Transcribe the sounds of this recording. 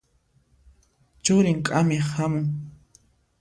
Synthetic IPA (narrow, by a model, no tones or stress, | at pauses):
t͡ʃʊɾɪŋkʼamɪhamʊŋ